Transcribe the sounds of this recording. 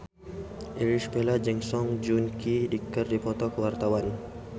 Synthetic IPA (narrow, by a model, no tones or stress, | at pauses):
ʔiɾispɛlad͡ʒɛŋsɔŋd͡ʒunkidikərdipɔt̪ɔkəwart̪awan